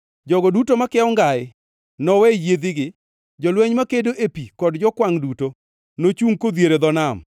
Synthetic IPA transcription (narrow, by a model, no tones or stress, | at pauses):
d͡ʒɔɡɔdutomakɛɔŋɡaɪ | nɔwɛjed̪ɪɡɪ | d͡ʒɔlwɛɲmakedoʔepikɔdd͡ʒɔkwaŋduto | not͡ʃuŋkod̪jeɾed̪ɔnam